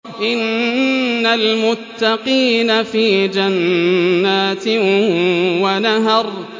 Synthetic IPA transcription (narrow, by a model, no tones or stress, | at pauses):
ʔɪnː | almʊt̪ːɑqiːnafiːd͡ʒanː | aːt̪ɪ | wanaɦɑɾˤ